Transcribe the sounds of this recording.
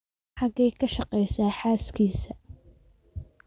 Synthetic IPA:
ħɑɡɛjkʰɐʃɑqɛjsaːħaːskʰiːsɐ

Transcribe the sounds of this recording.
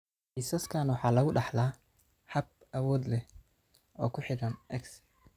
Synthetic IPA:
ħiːsɐskʰaːnwɑħɑːlɐɣʊɖɑħlaː | ħɑb̚ | ɐwɔːd̪lɛ | ɔːkʰʊħɪɽɐnʔɛks

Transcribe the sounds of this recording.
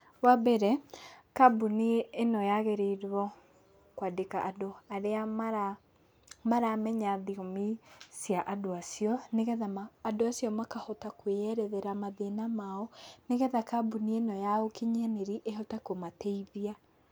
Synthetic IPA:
wabɛɾɛkabuneːnɔjaɣeɾeiɾwɔ | kwadekaʔadoaɾeamaɾa | maɾamɛɲaðiomisjaʔadoasiɔneɣɛðamaːdoasijɔmakahɔtakweɛɾɛðɛɾamaðenamaɔneɣɛðakabunienɔjaokiɲaneɾiʔeɦɔtakomatɛiðia

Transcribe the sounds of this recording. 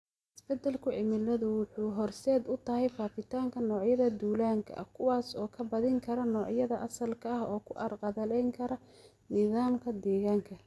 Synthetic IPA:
ʔɪsb̥ɛd̪ːɛlkʰʊʕɪmɪlɐðʊwʊħuːɦɔrsɛːd̪ʊt̪ʰɐhɛjfaːfɪt̪ʰaːŋkʰɐnɔːʕjɐðɐd̪uːlaːŋkʰɐ̰ʔkʰʊwaːsɔːkʰɐbɐðɪŋkʰɐɾɐnɔːʕjɐðɐʔɐsɐlkʰɐɐhɔːkʰʊʔɐrqɑðɐlɛjŋkʰɐɾɐ | nɪðaːmkʰɐd̪ɛːɣaːŋkʰɐ

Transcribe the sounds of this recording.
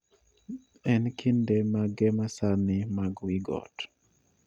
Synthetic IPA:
ɛnkʰindemaɡɛmasanɪmaɡwiɡɔ̰t

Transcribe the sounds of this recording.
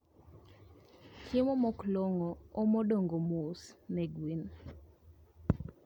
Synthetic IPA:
kʰjemomɔkloŋɔːmodoŋɡomosnɛɡwin

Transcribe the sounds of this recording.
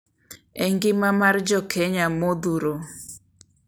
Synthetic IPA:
ɛŋɡɪmamard͡ʒɔkʰɛɲamod̪uɾo

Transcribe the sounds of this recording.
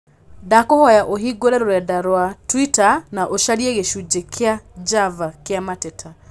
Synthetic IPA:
dakohɔjaʔoɦiɡoɾɛɾoɾɛdaɾwatwitanaʔoʃaɾieɣeʃud͡ʑekʰead͡ʒavakeamatetʰa

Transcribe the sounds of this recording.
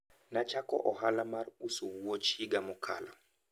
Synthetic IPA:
nat͡ʃakɔ̰ʔɔhalamaɾusuwuɔt͡ʃiɡamukʰa̰la

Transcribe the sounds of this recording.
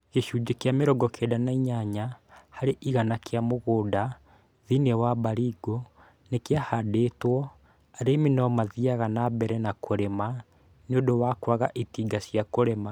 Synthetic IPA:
ɣeʃuːd͡ʒekeameɾɔɡɔkʰedanaiɲaɲahaɾeʔiɣanakʰeamoɣoːda | ðinewabaɾiɡo | nekeahadetwɔ | aɾeminɔmaðiaɣanabɛɾɛnakʰoɾema | neodowakwaɣaʔitiːɡasjakoɾema

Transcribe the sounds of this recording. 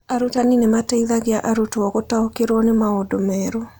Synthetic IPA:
aɾutaninemataiðaɣeaʔaɾutɔɣotaokeɾwɔnemaodomɛːɾo

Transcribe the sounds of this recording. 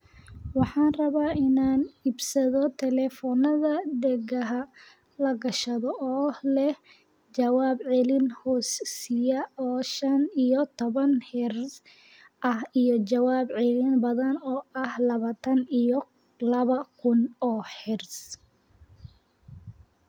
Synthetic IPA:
wɑħɑːnrɐβaːʔɪnaːnibsɐðɔt̪ʰɛlɛfɔnɐðɐd̪ɛɣɐɦɐ | lɐɡɐʃɐðɔʔɔːlɛh | t͡ʃɐwaːbʕɪlɪnhɔːssɪjɐɔːʃɐnijɔt̪ʰɔβɐnħɪrs | ʔɐhijɔt͡ʃɐwaːbʕɪlɪnbɐðɐnɔːɐhlɐβaːt̪ʰɐnijɔ | lɐβɐkʰʊnɔːħɪrs

